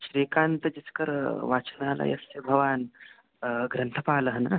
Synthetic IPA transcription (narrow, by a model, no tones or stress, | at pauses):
ɕɾikant̪əd͡ʑit͡skəɾʋat͡səndʱala̰jɐ̰sebʱɐʋaːn | ɡɾɐnt̪ʰəpaːləɦəna